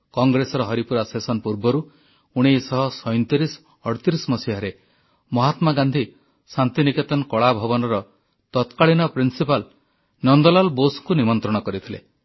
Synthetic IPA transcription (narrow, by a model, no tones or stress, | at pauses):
kɔŋɡɾesɔɾɔɦɔɾipuɾasesɔnpuɾbɔɾu | uɽ̃ejsɔɦɔsɔjnt̪iɾis | ɔɽt̪iɾismɔsiɦaɾe | mɔɦat̪maɡand̪ʱi | sant̪iniket̪ɔnkɔɭabʱɔbɔnɔɾɔ | t̪ɔt̪kaɭinɔpɾinsipal | nɔnd̪ɔlalboskunimɔnt̪ɾɔɽ̃ɔkɔɾit̪ʰilḛ